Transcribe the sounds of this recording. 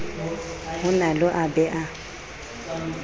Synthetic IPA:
hʊnalʊʔabɛʔa

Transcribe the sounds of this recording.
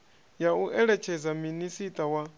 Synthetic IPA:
jauʔɛɺɛt͡ʃʰɛzaminisitʼawa

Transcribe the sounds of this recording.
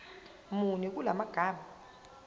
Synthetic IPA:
munik̬ʼulamaɡ̥ʱaːɓa

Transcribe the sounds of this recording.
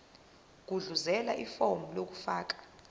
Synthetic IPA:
k̬uɮuzɛla̰ʔifomulok̬u̥faːk̬ḁ

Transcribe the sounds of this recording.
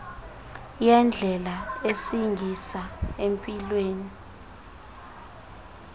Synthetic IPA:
jɛnd͡ɮʱɛlaesiŋʱisaempʼilweːni

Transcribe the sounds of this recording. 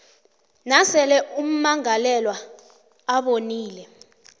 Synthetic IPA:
nasɛlɛʔum̩maŋalɛlwa | aɓoniːlɛ

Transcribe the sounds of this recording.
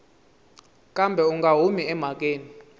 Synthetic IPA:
kʼambʱɛuŋɡʱaɦumiɛm̤ak̬ʼeːni

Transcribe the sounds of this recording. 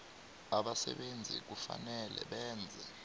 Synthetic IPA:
aɓasɛ̰ɓend͡zʱik̬ufanɛlʔɛ̰ɓɛːnd͡zʱɛ

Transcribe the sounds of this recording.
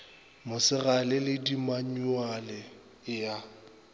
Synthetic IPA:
mʊsɪɣalɪlɪdimaɲualɪ | ɪja

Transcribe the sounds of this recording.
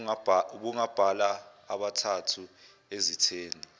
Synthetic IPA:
uɓuŋab̥ʱalaː | ɓatʰatʰu | ezitʰeːni

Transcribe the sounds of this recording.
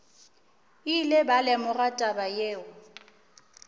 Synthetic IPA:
ilebalɛmʊɣatʼabajeːʊ

